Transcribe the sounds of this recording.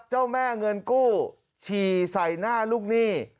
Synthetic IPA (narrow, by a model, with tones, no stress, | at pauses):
t̪̚t͡ɕa˥˩wmɛː˥˩ŋɤ˧nkuː˥˩ | t͡ɕʰiː˨˧˩sa˨˩˦jnaː˥˩luː˥˩k̚niː˥˩